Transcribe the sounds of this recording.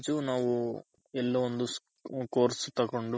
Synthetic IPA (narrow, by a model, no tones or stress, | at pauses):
t͡ʃunaːʋu | ɛlːɐund̪us | koːɾsut̪ɐkuɳɖu